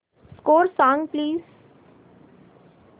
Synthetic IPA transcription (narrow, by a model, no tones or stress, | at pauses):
skoːɾsãːŋɡpliːz